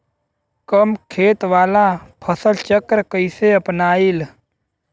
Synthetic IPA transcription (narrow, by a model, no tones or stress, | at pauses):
kəmkʰeːt̪ʋaːlapʰəsəlt͡ʃəkɾkəɪseəpnaːil